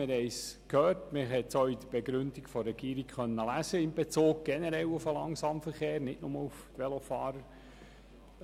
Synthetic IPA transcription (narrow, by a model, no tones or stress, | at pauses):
ɪɾhɛɪskʰhøːɾtmɪɦɛt̪sɔid̥̪əb̥ɛɡɾʏndikfɔɾɛɡiːɾikχœnːəlæsəɪmbɛt͡soːɡ̚ɡ̥ɛnɛɾɛlʊfəlɑŋsɑːmfəɾχeːɾnɪtnʊməluft̪ʋɛlofɑːɾəɾ